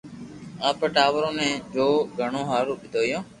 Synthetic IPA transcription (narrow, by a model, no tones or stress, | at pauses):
aːpəʈaːʋəɾõːnɛ̃ːd͡ʒoːɡʱəɳõːɦaːɾuːɓɪd̪ʱoːjõː